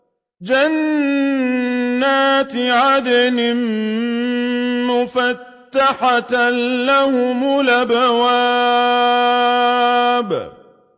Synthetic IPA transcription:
d͡ʒan | aːt̪ʕad̪anɪm | mʊfat̪ːaħat̪lahʊmʊlabawa | b

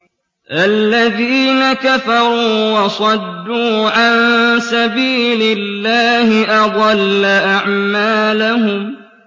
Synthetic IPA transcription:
ʔalːaðiːnakafɑɾˤuːwɑsˤɑd̪ːuːʕansabiːlɪlːaːhɪʔɑd̪ˤɑlːaʔaʕmaːlahʊm

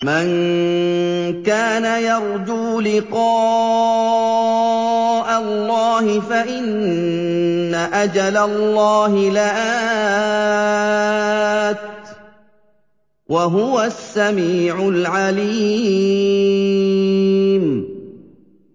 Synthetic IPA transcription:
man | kaːnajɑɾˤd͡ʒuːlɪqɑː | ʔalːɑːhɪfaʔɪn | aʔad͡ʒalalˤːɑːɦɪlaʔa | t̪̚ | wʔaɦʊwasːamiːʕʊlʕaliː | m

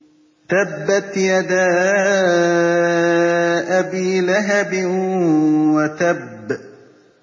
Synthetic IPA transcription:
t̪abːat̪jad̪aː | ʔabiːlaɦabɪ | wat̪abː

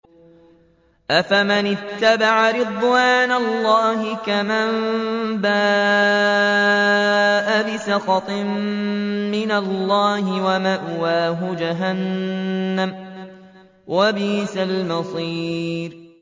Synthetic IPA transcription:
ʔafamanɪt̪ːabaʕaɾɪd̪ˤwaːnalːɑːhɪkamambaː | ʔabɪsɑqɑt̪ˤɨm | mɪnalːɑːhɪwamaʔwaːɦʊd͡ʒaɦanː | am | wabiːsalmɑsˤiːɾ

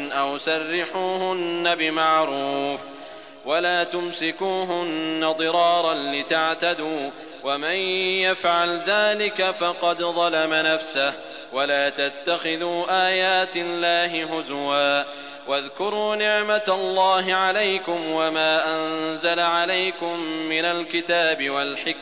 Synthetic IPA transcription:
ʔawsarːɪħuːhʊnːabɪmaʕɾuːf | walaːt̪ʊmsɪkuːɦʊnːad̪ˤɨɾɑːɾˤɑnlɪt̪aʕt̪ad̪uː | wamanjafʕalðaːlɪkafɑqɑd̪ðˤɑlamanafsah | walaːt̪at̪ːaxɪðuːʔaːjaːt̪ɪlːaːɦɪhʊzwaː | waðkʊɾuːnɪʕmat̪lˤːɑːɦɪʕalajkʊmwamaːʔanzalaʕalajkʊmːɪnalkɪt̪aːbɪwalħɪk

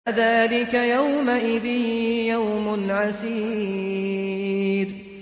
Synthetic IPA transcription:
ðaːlɪkajawmaʔɪðɪːjawmʊnʕasiː | ɾ

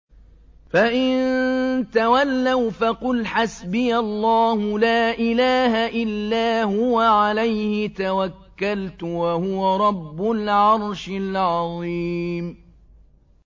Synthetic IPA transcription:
faʔɪnt̪awalːawfaqʊlħasbɪjalˤːɑːhʊlaːʔɪlaːɦaʔɪlːaːhʊwaʕalajhɪt̪awakːalt̪ʊwahʊwaɾˤɑbːʊlʕɑɾˤʃɪlʕɑðˤiːm

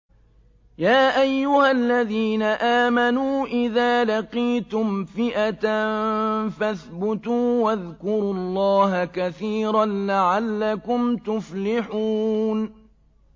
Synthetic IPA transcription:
jaːʔajːʊhalːaðiːnaʔaːmanuːʔɪðaːlaqiːt̪ʊmfɪʔat̪anfaθbʊt̪uːwaðkʊɾuːɑlˤːɑːɦakaθiːɾanlaʕalːakʊmt̪ʊflɪħuːn

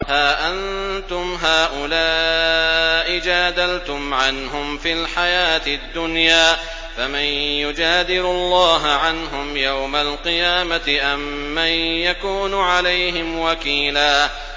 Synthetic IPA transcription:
haːʔant̪ʊmɦaːʔʊlaː | ʔɪd͡ʒaːd̪alt̪ʊmʕanɦʊmfilħajaːt̪ɪd̪ːʊnjaː | famɪnjʊd͡ʒaːd̪ɪɾʊlˤːɑːɦaʕanɦʊmjawmalqɨjaːmat̪ɪʔamː | anjakuːnʊʕalajɦɪmwakiːlaː

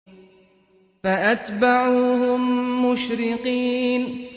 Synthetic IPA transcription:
faʔat̪baʕuːhʊmːʊʃɾɪqiːn

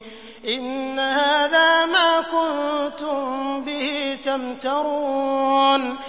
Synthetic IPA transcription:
ʔɪnːahaːðaːmaːkʊnt̪ʊmbɪhit̪amt̪ɑɾu | n

